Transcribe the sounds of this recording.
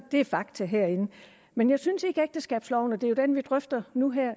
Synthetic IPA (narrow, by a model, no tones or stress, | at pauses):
d̥e̝æɐfɑ̈ɡ̥t͡sʰəɦeɐ̰e̝nə | menjɑ̈ɪsynse̝ɡ̥əeɡ̥̚d̥əsɡ̥ɛ̰ːb̥slɒʊnəd̥e̝jo̝d̥enʋid̥ʁœfd̥ɐnuɦɛɐ̰